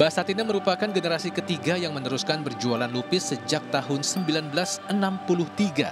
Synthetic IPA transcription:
b̥asat̪inaməɾupakanɡənəɾasikət̪iɡajaŋmənəɾuskanbərd͡ʒualanlupɪsːəd͡ʒak̚t̪aɦʊnsəmbilanbəlasənampulʊht̪iɡa̰

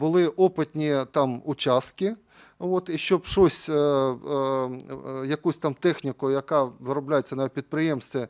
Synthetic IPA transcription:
bʊlˠɪʔɔpɪt̪ʲnʲit̪ɑmʊt͡ʃʲast̪kɪ | ot̪iʃt͡ʃɔpʃosʲ | jɐkusʲt̪ɑmt̪ɛxnʲɪkʊjɐkɑʋɪɾɔblʲajet͡sʲːɐnɑʋʲipʲid̪̚pɾɪjemst̪ʲʋʲi

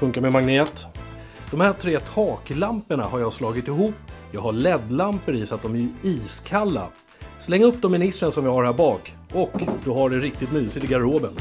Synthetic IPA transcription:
fɵŋkaɾmɛmaŋneːt̪ | d̪̥ɔmhæːtʰɾeːt̪ʰɑːklampəɳa̰haɾjɑːslɑːɡɪt̪ɪɦuːpːjɑːɡɦaɭɛd̪lampəɾɪsat̪̚d̪ɔmæɾiːskʰalːa̰ | slɛŋːɵpːd̪ɔmːɪnɪsənsɔmvɪhaɖhæːɾbɑːk | ʔɔkd̪ɔɦaɖɛɾɪk̚t̪ɪt̪nyːsɪt̪ɪɡaɾoːbən

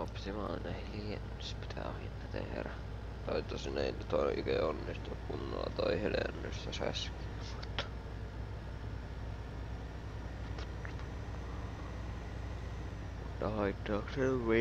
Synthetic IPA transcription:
opsimɑnæhilienː | spi̥t̪ʰæohint̪ɑt̪ḛhræ | t̪ɑit̪ːɑsineint̪oiʔykeonːist̪ukkunːoɑt̪ɑihelḛnːyst̪æsæski | mut̪ːɑ̥ | ut̪ː | mut̪ːɑhɑit̪ːɑːkseʋʋi

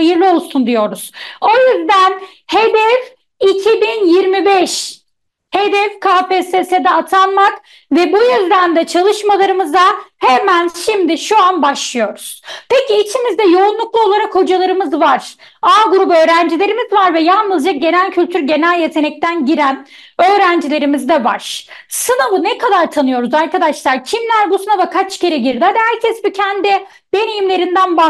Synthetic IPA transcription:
ajɯɾlˠɯo̞lˠsund̪ijo̞ɾuz̥o̞jyzd̪æn | he̞d̪ɛv | icʰibinjiɾmibɛʃ | he̞d̪ɛfkʰaːpeːsesed̪ɛat̪ʰanmak | vɛbujyzd̪ænd̪ɛt͡ʃʰalˠɯʃmalˠaɾɯmɯzahemænʃimd̪ɪʃuanbaʃlˠɯjo̞ɾuz̥pʰeciːt͡ʃʰimizd̪ɛjo̞unlˠuklˠuo̞lˠaɾakho̞d͡ʒalˠaɾɯmɯzvaɾ̥ | aːɡuɾubø̞ːɾænd͡ʒilʲe̞ɾimizvaɾvɛjalˠnɯzd͡ʒak̚ɟe̞nælʲcʰylʲt̪ʰyɾɟe̞nælʲje̞t̪ʰe̞nɛc̚t̪ʰænɟiɾæn | ø̞ːɾænd͡ʒilʲe̞ɾimizd̪ɛva̰ɾ̥sɯnavɯnɛkʰad̪aɾt̪ʰanɯjo̞ɾuzaɾkad̪aʃlˠaɾcʰimlʲæɾbusɯnavakʰat͡ʃceɾɛɟiɾd̪ɪad̪hæɾcʰɛsbucʰænd̪ɪ | b̥enijimlʲe̞ɾind̪ænba

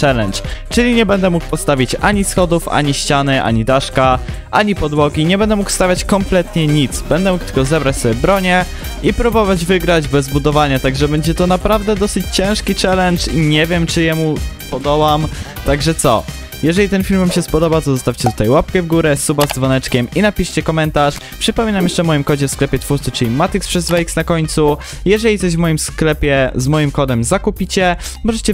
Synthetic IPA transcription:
t͡ʂɛlɛnt͡ʂt͡ʂɘlʲiɲɛbɛnd̪ɛmuk̚pɔst̪avʲit͡ɕa̰ɲisxɔd̪ufa̰ɲiɕt͡ɕanɘʔa̰ɲid̪aʂka | ʔaɲipɔd̪wɔɡʲiɲɛbɛnd̪ɛmukst̪avʲjat͡ɕkɔmplɛt̪ɲɛɲit̪sbɛnd̪ɛmuk̚t̪ɘlkɔzɛbɾat͡ɕsɔbʲjɛbɾɔɲɛ | ipɾubɔvad͡ʑvɘɡɾad͡ʑbɛzbud̪ɔvaɲat̪aɡʐɛbɛɲd͡ʑɛt̪ɔnapɾavd̪ɛd̪ɔsɘt͡ɕt͡ɕɛ̃w̃ʂkʲit͡ʂɛlɛnt͡ʂiɲɛvʲjɛmt͡ʂɘjɛmupɔd̪ɔbamt̪aɡʐɛt̪sɔ | jɛʐɛlʲit̪ɛnfʲilmvamɕɛspɔd̪ɔbat̪ɔzɔst̪afʲt͡ɕɛt̪u̥t̪ajwap̚kɛvɡuɾɛsubazd̪zvɔnɛt͡ʂkʲɛminapʲiʂt͡ɕɛkɔmɛnt̪aʂ | pʂɘpɔmʲinamjɛʂt͡ʂɛmɔjimkɔd͡ʑɛfsklɛpʲjɛt̪fuɾt̪sɨt͡ʂɘlʲimat̪ikspʂɛzvaiksnakɔɲʲt̪su | jɛʐɛlʲit̪sɔʑvmɔjimsklɛpʲjɛzmɔjimkɔd̪ɛmzakupʲit͡ɕɛmɔʐɛt͡ɕɛ

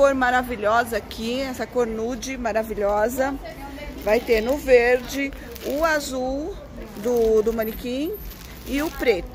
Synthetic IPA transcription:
oɾmaɾaviʎɔzɐkʰiɛsɐkoɾnud͡ʒɪmaɾaviʎɔzɐ | vajt̪eɾnʊveɾd͡ʒɪ | ʊazuw | d̪ʊd̪ʊmɐ̃nikĩ | ɪʊpɾet̪ʊ

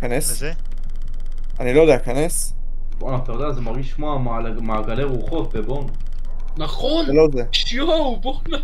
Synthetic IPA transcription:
kanes | anilojd̪eakanes | boanaχt̪ajod̪eazemaʁɡiʃʃmoa | maaɡaleʁuχo̞t̪̚bebon | naχonelo̞zeʃjoaubona

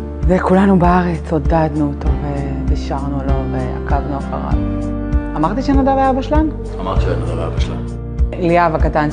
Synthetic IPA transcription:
zekulanubeaʁet͡sodadnuot̪o̞ve | diʃaʁnulo̞vea̰kavnuaχa̰ʁa̰v | amaʁt̪iʃenadalajabaʃlan | amaʁt̪iʃḛnad̪alaa̰baʃla̰n | liavakatan

